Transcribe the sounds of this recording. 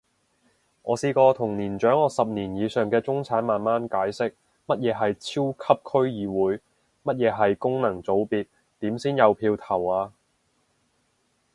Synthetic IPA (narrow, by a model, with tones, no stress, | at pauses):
ŋʔɔ̰ː˨˧siː˧kɔː˧t̪ʰʊ˨˩ŋniː˨˩nt͡ʃœː˨˥ŋɔː˨˧sɐ˨p̚niː˨˩njiː˨˧sœː˨˧ŋkɛː˧t͡sʊ˥ŋt͡sʰaː˨˥nmaː˨nmaː˥nkaː˨˥jsɪ˥k̚ | mɐ˥t̚jɛː˨˧ɦɐ˨jt͡sʰiː˥wkʰɐ˥p̚kʰɵ˥ɥjiː˨˧wuː˨˥j | mɐ˥t̚jɛː˨˧ɦɐ˨jkʊ˥ŋnɐ˨˩ŋt͡so˨˥wpiː˨t̚ | t̪iː˨˥msiː˥njɐ˨˧wpʰiː˧wt̪ʰɐ˨˩waː˧